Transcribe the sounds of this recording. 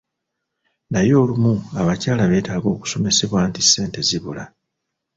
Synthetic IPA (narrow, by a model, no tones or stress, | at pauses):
najo̞ːlumuaβacaːlaβe̞ːtaːɡo̞ːku̥so̞me̞se̞βwaːntise̞ːnte̞ziβula